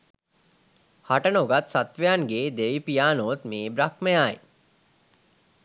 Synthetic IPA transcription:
haʈənoɡat̪sat̪ʋejanɡeːd̪eʋipijaːnot̪meːbɾak̚məjaːj

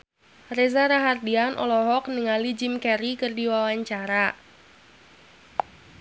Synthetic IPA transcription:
rezaɾaɦardianʔɔ̰lɔɦɔk̚nəŋalid͡ʒɪmkɛɾikɨrdiwawaɲt͡ʃaɾa

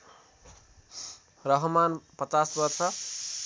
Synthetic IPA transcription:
rʌɦmanpʌt͡sasbʌrsʰʌ

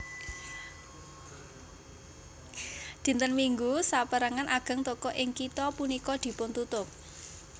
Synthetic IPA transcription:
d̪̥i̤nt̪ənmiŋɡusapəɾəŋanʔaɡ̥ə̤ŋt̪ɔkɔʔɪŋkit̪ɔpunikɔd̪̥i̤pʊnt̪ut̪ʊp̚

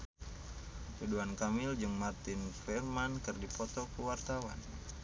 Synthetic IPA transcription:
tuduankamɪld͡ʒɨŋmart̪ɪnfɛrmankɨrdipɔt̪ɔkuwart̪awa̰n

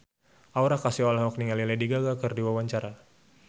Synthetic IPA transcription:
ʔauɾakasiɔlaɦɔk̚niŋalilɛdiɡaɡakɨrdiwawaɲt͡ʃaɾa

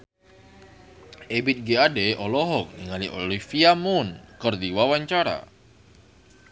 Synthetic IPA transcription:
ebɪt̪̚ɡeadeʔɔlɔɦɔk̚niŋaliʔo̰lifiamunkərdiwawaɲt͡ʃaɾa̰

